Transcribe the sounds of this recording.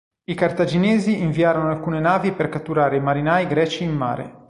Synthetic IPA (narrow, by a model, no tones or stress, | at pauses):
ikart̪ad͡ʒineːziiɱviaːɾonoalkuːnenaːviperkat̪ːuɾaːɾeimaɾinaːjɡɾɛːt͡ʃiːmːa̰ːɾḛ